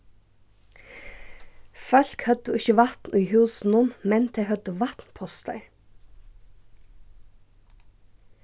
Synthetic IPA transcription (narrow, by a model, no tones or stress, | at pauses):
fœlkhœd̪əɪçəʋɑt̪nʔʉːhʉːsn̩ʊnmɛnt̪ʰehœd̪əʋɑt̪n̩pʰɔst̪ʰə̰ɹ